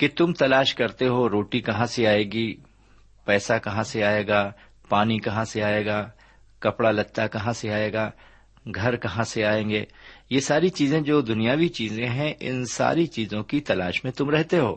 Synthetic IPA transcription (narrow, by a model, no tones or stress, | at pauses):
ket̪ʊmt̪ɐlaːʃkɐɾt̪eɦoːɾoːʈikɐɦãseaːeːɡiː | pɛːsakɐɦãseaːeːɡaː | paːnikɐɦãseaːeːɡaː | kɐpɽalɐt̪ːakɐɦãseaːeːɡaː | ɡʱɐɾkɐɦãseaːẽːŋɡeːjesaːɾit͡ʃiːzẽd͡ʒoːd̪ʊnijaːʋit͡ʃiːzẽɦɛ̃ʔɪ̰nsa̰ːɾit͡ʃiːzõkit̪ɐla̰ːʃmẽt̪ʊmɾɛɦt̪eɦo̰ː